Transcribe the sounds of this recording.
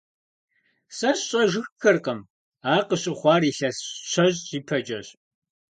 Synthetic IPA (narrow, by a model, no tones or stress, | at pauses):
sɐɕɕʼɐʒɨxxɨrqɐm | aːqəɕʼɪχʷɑːɾiːɬɐsɕʷʰɐʑʑiːpʰɐd͡ʒʼɐɕ